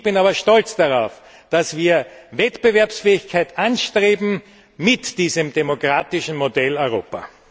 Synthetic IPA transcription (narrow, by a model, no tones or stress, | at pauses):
b̥ɪnaːbɐʃtɔlt͡sd̥aʁaʊf | d̥asv̥iːɐvɛtb̥əvɛɐpsfɛːɪçkʰaɪtʔãnʃtʁeːbm̩ | mɪtd̥iːzəmd̥emokʁ̥aːtɪʃn̩modɛlɔʏʁo̰ːpa̰